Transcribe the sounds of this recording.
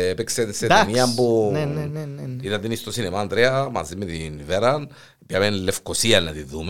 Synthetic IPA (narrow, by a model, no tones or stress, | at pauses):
epeksenset̪niɐmbunnneneit̪ɐnt̪inist̪osinemaːnd̪ɾeɐmɐ̰zimːet̪inveɾɐn | piamenilːefkosiɐnːɐt̪iðume